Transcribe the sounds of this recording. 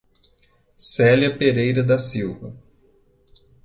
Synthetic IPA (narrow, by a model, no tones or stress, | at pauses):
sɛljɐpeɾejɾɐd̪ɐsiwvɐ